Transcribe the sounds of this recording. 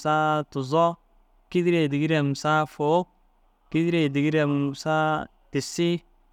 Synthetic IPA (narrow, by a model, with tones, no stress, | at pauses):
sa˦tʊ˨zɔ˦ | ki˦di˦ɾe˨di˨ɡi˦ɾɛ˨m˨sa˦fo˨˦k̚ | ki˦di˦ɾe˨di˨ɡi˦ɾɛ˨m˨sa˦ | tɪ˨sɪ˦